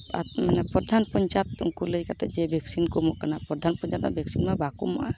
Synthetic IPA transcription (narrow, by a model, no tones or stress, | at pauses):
a̰t̪mɛnapɔd̪ʱanpɔɲt͡ʃat̪ṵŋkuləjkat̪ɛd͡ʒɛbʱɛksinkɔmɔʔkanapɾɔd̪ʱanpɔɲt͡ʃat̪̚ma̰bʱɛksinmabakṵma̰ʔa